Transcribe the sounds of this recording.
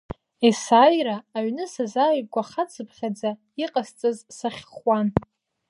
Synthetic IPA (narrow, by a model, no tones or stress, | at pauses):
esaːjraːɥnɨsazaɥɡʷaχat͡sʰʼɨpʰχʲad͡za | iqʼast͡sʼɨzsaχʲχwan